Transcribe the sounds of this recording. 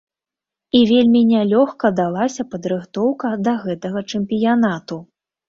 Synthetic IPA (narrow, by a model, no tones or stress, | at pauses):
ivʲelʲmʲinʲalʲɔxkɐd̪alˠasʲɐpɐd̪ɾɨxt̪ɔwkɐd̪ɐɣɛt̪ɐɣɐt͡ʂɛmpʲijanat̪u